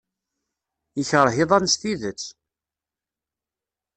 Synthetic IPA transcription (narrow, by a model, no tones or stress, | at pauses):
əçəɾˤɦɪðˤɑnst̪iðət͡sː